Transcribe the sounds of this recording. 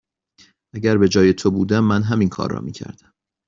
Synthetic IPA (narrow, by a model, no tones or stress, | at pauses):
ʔæɟæɾbe̞d͡ʒɒːje̞t̪ʰobuːd̪æmːænɦæminkʰɒ̰ːrːɒ̰ːmiːcʰæ̰ɾd̪æm